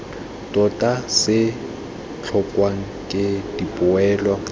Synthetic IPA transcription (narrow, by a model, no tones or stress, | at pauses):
tʼɔtʼasɪ | t͡ɬʰɔkʼwaŋ̩kʼɪdipʼʊɛːlwa